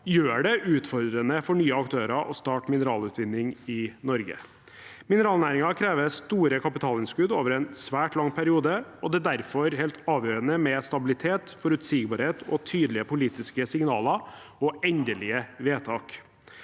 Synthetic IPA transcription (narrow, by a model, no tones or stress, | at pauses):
jøːɖɛʔʉːt̪fɔɾd̪ɾənəfɔɳyːəɑkt̪ʰøːɾɑʔɔst̪ɑːʈmɪnəɾɑːlʉːt̪ʋɪnːɪŋɪnɔɾɡə̰ | mɪnəɾɑːlnæːɾɪŋɑkʰɾeːʋəst̪uːɾəkʰɑpɪt̪ʰɑːlɪnskʉd̪oːʋəɾɛnsʋæːʈlɑŋːpʰæɾɪuːd̪əɔd̪ɛd̪æɾfɔɾhɛːlt̪ɑːʋjøːɾənəmɛst̪ɑbɪlɪt̪ʰeːt̪fɔɾʉt̪siːɡbɑːɾheːt̪ʰɔt̪ʰyːd̪lɪəpʊliːt̪ɪskəsɪŋnɑːlɑ | ɔɛnd̪əlɪəʋeːt̪ʰɑːk